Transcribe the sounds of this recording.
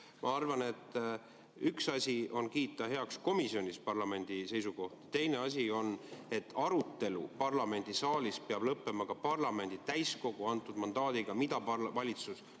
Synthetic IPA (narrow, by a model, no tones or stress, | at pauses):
mʔɑ̰ɑrvɑne̞t̪ːˑ | yksɑsʲio̞nkiːt̪ːˑɑɦe̞ɑksko̞misio̞nispɑrlɑme̞nʲd̪̥ise̞jsuko̞ht̪i̥t̪e̞jne̞ɑs̬ʲio̞ne̞t̪ːˑɑɾut̪ːe̞lṵpɑrlɑme̞nʲd̪̥isɑːlispeɑb̥lɤpːe̞mɑkɑpɑrlɑme̞nd̪it̪æjsko̞ɡ̥uɑnt̪ːˑud̪̥mɑnd̪ɑːd̪iɡ̥ɑmid̪̥ɑpɑvɑlʲit̪sus